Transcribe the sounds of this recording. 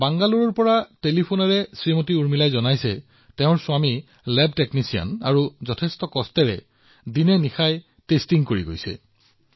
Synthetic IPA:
baŋɡaluɹɔɹpɔɹatelipʰonaɹɛsɹimotiuɹmilajzɔnajsɛ | teʊ̃ɹsʊami | lɛbteknisia̰na̰ɹuzɔtʰɛstɔkɔstɛɹɛ̰ | dinɛnixaj | testiŋkoɹḭɡo̰jsɛ̰

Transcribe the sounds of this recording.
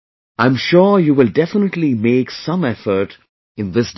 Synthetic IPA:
ãɪ̃mʃɔɹjuːʋɪlɖɛfənəʈlimeːksʌ̃mɛfə˞ʈ | ɨ̃nðɪsd

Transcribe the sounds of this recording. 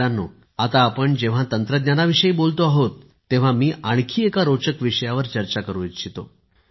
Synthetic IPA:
anːo̰ | at̪aːpəɳd͡ʑeʋ̤at̪ənt̪ɾəd̪njanaʋiʂəiːbolt̪oaɦot̪ː | eʋ̤amiːʔaɽ̃kʰiːekaɾot͡ɕəkʋiʂəjaʋəɾt͡ɕəɾt͡ɕakəɾuit̪ɕit̪o̰

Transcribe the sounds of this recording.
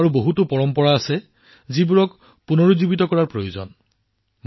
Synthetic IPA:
aɹuboɦutʊpɔɹɔmpɔɹaːsɛ | zibuɹɔk | punoɹuzibitɔkɔɹaɹpɹojozɔ̰n | m

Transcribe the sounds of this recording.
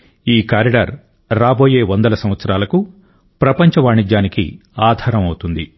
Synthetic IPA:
iːkjaːɾiɖɐɾː | aːbo̞ːje̞ːʋɔnd̪ɐlɐsɐmʋɐt̪sɐɾaːlɐku | pɾɐpɐɲt͡ʃɐʋaːɳid͡ʒːaːnikḭ | aːd̪ʱaːɾɐmɐwut̪und̪i

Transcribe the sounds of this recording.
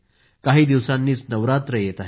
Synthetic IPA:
kaɦiːd̪iʋsanːiːt͡snəʋɾat̪ɾəjet̪aɦe

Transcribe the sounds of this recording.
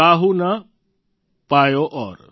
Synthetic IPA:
aːɦuna | paːjoʔɔːɾ

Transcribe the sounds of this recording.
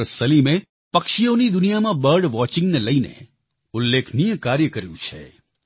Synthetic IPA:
ɾsɐlimẽ | pɐkʃijõnid̪ʊnijamãbəɾɖʋɔːt͡ʃɪ̃ŋɡneləinḛ | ʊlːekʰnijə̃kaːɾjəkəɾjṵ̃t͡ʃʰḛ

